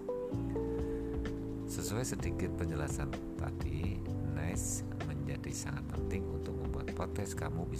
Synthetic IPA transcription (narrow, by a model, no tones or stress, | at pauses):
səsuɛsədikɪt̪̚pəɲd͡ʒəlasan | t̪a̰dinɛs | məɲd͡ʒadisaŋat̪̚pənt̪ɪŋunt̪ʊk̚məmbuat̪̚pot̪ɛskamubi